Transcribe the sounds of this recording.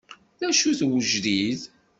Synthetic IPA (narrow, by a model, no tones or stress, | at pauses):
ðæʃuθwəʒɾið